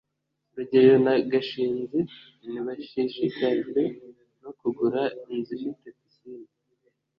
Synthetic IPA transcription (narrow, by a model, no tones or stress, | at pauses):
βaɟejonaɡaʃiːnzi | niβaʃiʃikaʒwe | no̞kuɡuɾainzifit̪efisiːn